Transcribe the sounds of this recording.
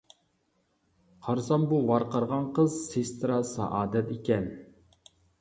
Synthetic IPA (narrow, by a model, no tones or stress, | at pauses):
qʰɑɾsɑmbuvɑɾqɑɾʁɑnqʰəzsest̪ɾɑsɑ̰ʔɑːd̪ɛt̪ekʲɛn